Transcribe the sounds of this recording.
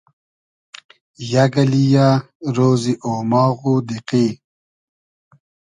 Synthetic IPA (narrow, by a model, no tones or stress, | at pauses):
jaɡɐlija | ɾoːziʔoːmaːɣud̪iqi